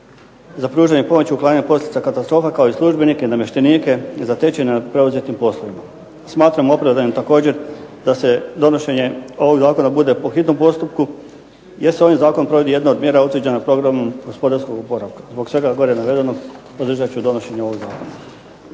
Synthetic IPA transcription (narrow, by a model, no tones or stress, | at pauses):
zapɾuːʒaɲepo̞mo̞t͡ɕiuklˠaːɲaɲepo̞slʲet̪sakat̪ast̪ɾofakaoislˠuʒbenikeinamje̞ʃt̪eniːke̞zat̪e̞t͡ɕeneapɾe̞uzet̪impo̞slˠoʋima | smaːt̪ɾamoo̞pɾaʋd̪animt̪ako̞ːd͡ʑe̞ɾd̪̥ase̞d̪o̞noʃe̞ɲe̞o̞ʋo̞ɡzaːko̞nabud̪e̞poxit̪no̞mpo̞st̪upku | jeseo̞ʋajzaːko̞npɾo̞ʋo̞d̪ijed̪naod̪mjeɾaut̪əd͡ʑenapɾo̞ɡɾamumɡo̞spo̞d̪aɾskoɡupo̞ɾaʋkḁzbo̞ksʋe̞ɡaɡo̞ɾenaʋe̞d̪e̞no | od̪ɾr̩ʒat͡ɕud̪o̞no̞ʃe̞ɲeo̞ʋo̞ɡzaːkona